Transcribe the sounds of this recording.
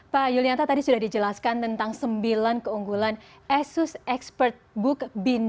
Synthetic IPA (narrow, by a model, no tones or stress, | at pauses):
pajuliant̪at̪adisudahdid͡ʒəlaskant̪ənt̪aŋsəmbilankəuŋɡulan | ɛsʊsɛkspərt̪̚bʊkbin